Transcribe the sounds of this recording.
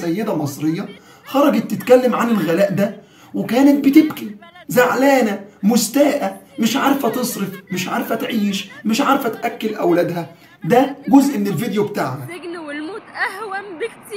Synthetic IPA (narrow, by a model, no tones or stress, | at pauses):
æjːed̪æmɑsˤɾejːɑ | xɑɾˤɑɡɑt̪ːɪt̪kælːæmʕanelɣælæːʔd̪æ | wekæːnet̪̚bɪt̪ɪbkizaʕlæːnæmʊst̪æːʔæmɪʃʕɑɾˤfæt̪ɨsˤɾefmɪʃʕaɾˤfæt̪ʕiːʃmɪʃʕɑɾfæt̪ʔækːelʔæwlæd̪hæ | d̪æɡozʔenːelvid̪ejobt̪aːʕhænwelmoːt̪ʔæhw